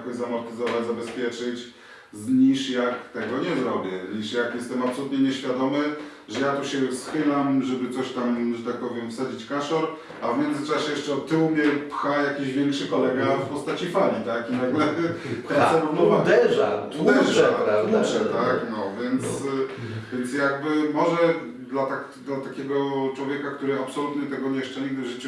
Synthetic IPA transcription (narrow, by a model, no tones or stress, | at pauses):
kɔʑzamɔɾt̪ɘzɔvad͡ʑzabɛspʲjɛt͡ʂɘt͡ɕ | zɲiʂjakt̪ɛɡɔɲɛzɾɔbʲjɛɲiʂjakjɛst̪ɛmapsɔlut̪ɲɛɲɛɕfʲjad̪ɔmɘ | ʐɛjat̪uɕɛsxɘlamʐɛbɘt̪sɔɕt̪amʐɛt̪ak̚pɔvʲjɛmfsad͡ʑit͡ɕkaʂɔɾ | avmʲjɛnd̪zɘt͡ʂaɕɛjɛʂt͡ʂɛɔt̪ɘwumʲjɛpxajakʲiʑvʲjɛŋkʂɘkɔlɛɡafpɔst̪at͡ɕifalʲit̪akinaɡlɛɛsɛnɔmɔvad̪ɛʐa̰ud̪ɛʐauʂɛt̪aknɔvʲjɛnt̪svʲjɛnt̪sjaɡbɘmɔʐɛ | d̪lat̪akd̪lat̪akʲɛɡɔt͡ʂwɔvʲjɛkakt̪uɾɘapsɔlut̪ɲɛt̪ɛɡɔɲɛjɛʂt͡ʂɛɲiɡ̚d̪ɘʐɘt͡ʂ